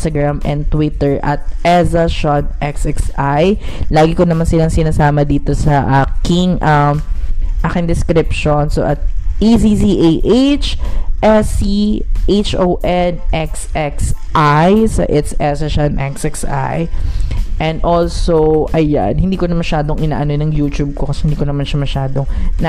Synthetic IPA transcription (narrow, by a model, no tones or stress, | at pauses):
t̪ɐɡɹamɛ̰̃n̚t̪wɪt̪ɛɹʔɐt̪̚ʔɛsɐʃanʔɛksʔɛksaj | laːɡɪkonɐmansɪlɐŋsɪnaːsaːmɐd̪iːt̪o̞sɐʔaːkɪŋʔɐmʔaːkɪŋd̪ɪskɾɪpʃonso̰ʔɐt̪̚ʔiziziʔejʔejt͡ʃʔɛsiʔejt͡ʃʔowʔɛnʔɛksɛksʔajsɐ̰ʔɪt̪sɛsɐʃɐɐnʔɛksʔɛksa̰j | ʔɛnd̪ʔolsowʔɐja̰nhɪnd̪iːkonɐmɐʃaːd̪oŋʔɪna̰ːʔɐnonɐŋjuːt̪ub̚kokɐsɛ̥hɪnd̪iːkonɐmanʃɐmɐʃaːd̪oŋn